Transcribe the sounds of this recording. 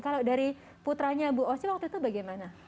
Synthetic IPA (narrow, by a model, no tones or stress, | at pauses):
kaladaɾi | put̪ɾaɲabuɔsiwak̚t̪uit̪ubaɡajmana